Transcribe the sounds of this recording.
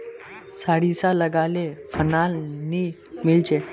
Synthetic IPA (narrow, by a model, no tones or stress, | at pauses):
saɽisaləɡalefənalni | mild͡ʑe